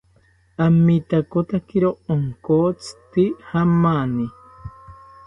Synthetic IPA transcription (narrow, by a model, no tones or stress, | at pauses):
amit̪akot̪akeɾooŋkot͡sɨ̥t̪ihamani